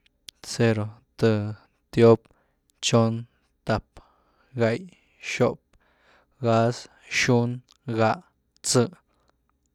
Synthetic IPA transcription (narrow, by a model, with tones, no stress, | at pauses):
t͡se˧ɾo˨t̪ə˧ | t̪jo˦p̚ | t͡ʃo˦n | t̪a˧p̚ | ɡa˧j | ʃo˦˧p̚ | ɡa˦s | ʃu˦n | ɡa˧ʔ | t͡sə˧